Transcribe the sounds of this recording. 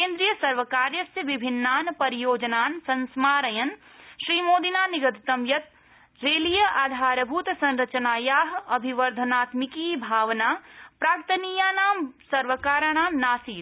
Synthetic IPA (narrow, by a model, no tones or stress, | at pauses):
kẽːnd̪ɾijəsɐɾʋəkaːɾjəsjəʋibʱinːaːnpɐɾijoːd͡ʒənaːnsɐ̃nsmaːɾəjən | ʃɾiːmoːd̪inaniɡəd̪ʱt̪əmjɐt̪̚ | ɾeːlijəʔaːd̪ʱaːɾbʱut̪sɐ̃nɾɐt͡ʃənaːjaːɦɐbʱiʋəɾd̪ʱənaːt̪mikibʱaːʋnapɾaːkt̪ənijaːnaːmsɐɾʋəkaːɾaɽ̃aːmnaːsiːs